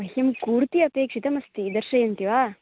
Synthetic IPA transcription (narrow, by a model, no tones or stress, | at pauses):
ɐɦjɐmkuːɾt̪iɐpeːkʂit̪ɐmɐst̪id̪ɐɾʃɐjɐnt̪iʋaː